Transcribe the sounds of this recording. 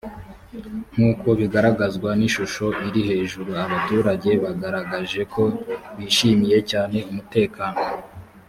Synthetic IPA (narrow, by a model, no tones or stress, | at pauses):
ŋ̥uːko̞βiɡaɾaɡazɡwaniʃuʃo̞ʔiɾihe̞ːʒuɾuaβatuːɾaɟe̞βaɡaɾaɡaʒe̞ko̞βiːʃimije̞caːne̞umute̞ːkaːno̞